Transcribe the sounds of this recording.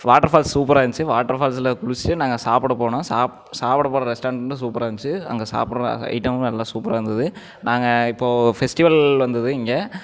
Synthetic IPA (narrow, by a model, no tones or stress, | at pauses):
ʋaːʈːɐɾfaːlsːuːpɐɾaːʋɲt͡ʃːɯʋaːʈːɐɾfaːls̬ɪlɐkʊɭɪt͡ʃːɪʈːɯnaːŋɡɐsaːpɪɽɐpoːɳõːsaːp | saːpɪɽɐpoːɽɐɾɛsʈaːɳɖɐɳɖɯs̬uːpɐɾaːʋɐɲt͡ʃːɯɐ̰ŋɡɐsa̰ːpɽ̃ɐ̰ɪʈɐmɛlːãːsuːpɐɾaːɐnd̪ɐðɯ | naːŋɡɐɪpːoːfɛsʈɪʋɐlʋɐnd̪ɐðɯɪŋɡeː